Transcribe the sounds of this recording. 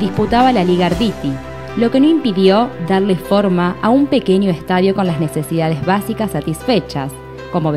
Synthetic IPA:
d̪isput̪aβalaliɣaɾðit̪i | lo̞ke̞noimpiðjo̞ðaɾlefo̞ɾmaʔaumpe̞keɲjo̞est̪aðjo̞ko̞nlaznese̞siðað̞ezβasikasːat̪isfet͡ʃa̰s | ko̞moβ

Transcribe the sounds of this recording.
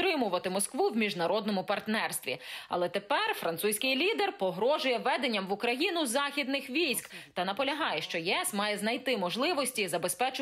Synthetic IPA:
ɾɪmʊʋɐt̪ɪmɔskʋuwmʲiʒnɐɾɔd̪nɔmʊpɐrt̪nɛrst̪ʋʲḭɐ̰lˠɛt̪epɛrfɾɐnt̪susʲkɪjlʲid̪erpɔɦɾɔʒʊjɛʋɛd̪enʲːɐmʋʊkɾɐjinʊzɑxʲid̪nɪxʋʲijsʲkt̪ɐnɐpɔlʲɐɦɑjɛʃt͡ʃɔjɛsmɑjɛznɐjt̪ɪmɔʒlˠɪʋɔsʲtʲizɐbe̞spɛt͡ʃʊ

